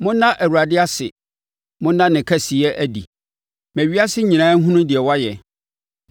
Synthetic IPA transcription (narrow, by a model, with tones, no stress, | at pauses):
mʊ̃˦nã˦ʔæ˨wu˨ɾa˨dɪ˦a˦sɪ˨ | mʊ̃˦nːã˦nɪ̃˨kʰæ˦si˨ɛ˦ʔæ˦dḭ˨ | mæ̃˨ɥi˦a˦sɪ˦ɲĩ˨nãː˦ŋ̩˦ɦũ˦nʊ̃˦dɪ˨ɛ˨wa˦jɛ˨